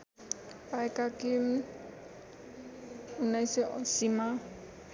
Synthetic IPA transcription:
pajkakim | unajsɛʔɔ̰sima

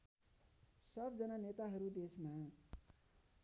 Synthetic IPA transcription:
sʌbd͡zʌnʌnet̪aɦʌɾud̪esma

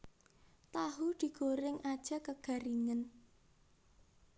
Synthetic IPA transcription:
t̪aɦud̪̥i̤ɡ̥oɾɪŋʔad̥ʒ̥a̤kəɡ̥a̤ɾiŋən

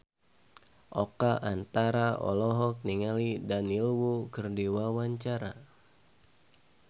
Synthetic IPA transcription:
ʔɔkaʔant̪aɾaʔɔ̰lɔɦɔk̚niŋalidanilwukərdiwawaɲt͡ʃaɾa̰

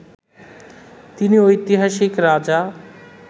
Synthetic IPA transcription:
t̪iniojt̪iɦaʃikɾaːd͡ʑa

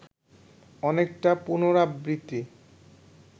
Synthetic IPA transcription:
ɔnek̚ʈapunoɾabɾit̪ːi

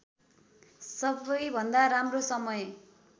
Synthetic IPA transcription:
sʌbʌjbʱʌnd̪aɾamrosʌmʌj

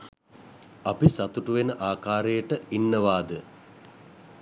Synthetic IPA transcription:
apisat̪uʈuʋenəʔaːkaːɾəjəʈəinːəʋaːd̪ə

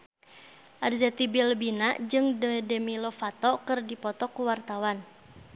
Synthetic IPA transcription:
ʔarzɛt̪ibilbinaʔd͡ʒɨŋdədɛmilɔfat̪ɔkɨrdipɔt̪ɔkuwart̪awan

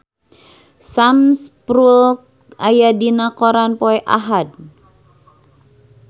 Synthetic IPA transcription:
samspɾulk̚ | ajadinakɔɾanpɔɛʔa̰ɦad̚

